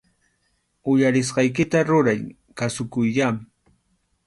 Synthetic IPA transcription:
ʊjaɾɪs̬ɢɑjk̬ɪt̪aɾʊɾaj | kasʊkʊjʎam

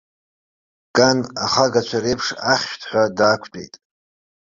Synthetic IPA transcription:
kʼana̰χaɡat͡ʃʷʰaɾejpʰʂaχʲʃtʰħʷadaːkʷʰtʼḛjtʼ

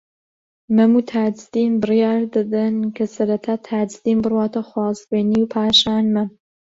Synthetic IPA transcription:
mɐmut̪ʰaːd͡ʒd̪inbɨrjaːɾd̪ɐd̪ɐnkʰɐsɐɾɐt̪ʰaːt̪ʰaːd͡ʒd̪iːmbɨrwaːt̪ɐxwaːzbeːniwpʰaːʃaːnmɐm

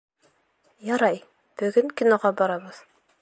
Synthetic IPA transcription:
jɑɾɑj | b̥ɵ̆ɡɵŋkʲinoʁɑbɑɾɑbɤð̥

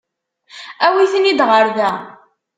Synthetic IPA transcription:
æwiθənid̪ʁəɾðæ

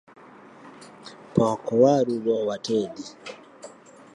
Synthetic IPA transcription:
pɔkɔwaɾuɾɔwatʰɛdi

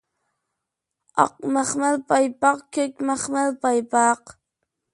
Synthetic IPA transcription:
ɑ̰qmaχmalpɑjpɑqkəkmaχmalpɑjpɑːq

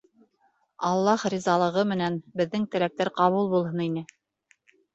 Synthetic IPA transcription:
ɑlˠːɑhɾizɑlˠɤ̆ʁɤmɘ̆nænbɘ̆ðːɘŋt̪ɘ̆læk̚t̪æɾqɑβulˠbulˠɦɤninɘ

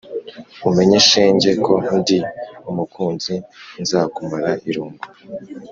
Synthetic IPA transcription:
ume̞ɲeʃeːɲɟe̞ko̞undiumukʰuːnzinzaːkumaɾaʔiɾuːmbḁ

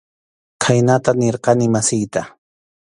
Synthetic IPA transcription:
kʰajnat̪aneɾqɑnɪmasɪjt̪a

